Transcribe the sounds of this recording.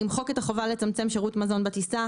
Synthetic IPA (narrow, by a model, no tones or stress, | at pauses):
imχo̞ket̪aχo̞valet͡samt͡semʃeʁutmazo̞nbetisa